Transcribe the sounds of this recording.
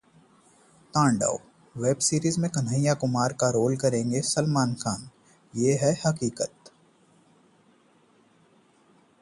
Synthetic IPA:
t̪ãːɳɖa̰ːo | ʋeːbsiːɾiːzmẽkɐnə̃jakʊmaːɾkaɾoːlkɐɾẽːŋɡesɐlmaːnxʰaːn | jeːɦɛhɐkiːkət̪

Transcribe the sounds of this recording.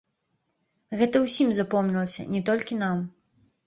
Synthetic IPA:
ɣɛt̪ɐwsʲimzapɔmnʲilˠɐsʲɐ̰nʲɛt̪ɔlʲkʲinam

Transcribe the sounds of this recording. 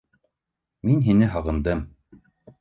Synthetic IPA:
minɦinɘɦɑʁɤ̆nd̪ɤm

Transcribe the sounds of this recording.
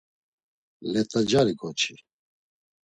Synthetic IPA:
lɛt̪ʼad͡ʒaɾiɡɔt͡ʃʰi

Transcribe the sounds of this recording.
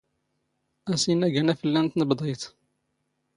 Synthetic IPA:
æsinːæɡænæfəlːænt̪nəbd̪ˤijt̪

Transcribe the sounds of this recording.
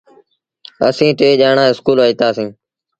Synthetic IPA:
ə̰sĩːʈeːʄaːɳãːɪskuːlʋoiːt̪aːsĩː

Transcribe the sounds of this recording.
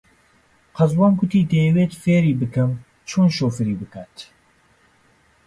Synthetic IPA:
qɑzwɑːnɡʊt̪iːd̪ejɛweːt̪feːɾiːbɨkɨm | t͡ʃʰoːnʃoːfɨɾiːbɨkaːt̪

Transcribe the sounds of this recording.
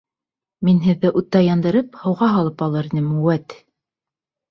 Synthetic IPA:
minɦɘ̆ðːɘʔut̪ːɑjɑnd̪ɤ̆ɾɤphɤ̆wʁɑɦɑlˠɤpɑlˠɤ̆ɾinɘmuwæt̪

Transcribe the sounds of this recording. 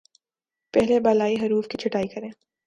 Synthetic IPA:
pɛɦlebaːlaːiɦɐɾuːfkit͡ʃʰɐʈaːikɐɾẽː

